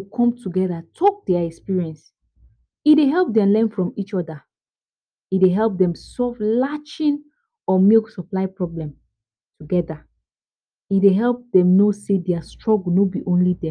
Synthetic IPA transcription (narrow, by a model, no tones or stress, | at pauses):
kʰɔ̃mtʰuɡɛðatʰɔk̚dɛaɛkspiɹiɛ̃ns | ideɦɛlˠp̚dɛalɛ̃nfɹɔ̃mit͡ʃɔda | ideɦɛlp̚dɛ̃msɔvlat͡ʃĩn | ɔmiksɔplaɪpɹɔblɛ̃m | tʰuɡɛda | ideɦɛlˠp̚dɛ̃mnosedɛastɹɔɡlˠnobiʔõnlidɛ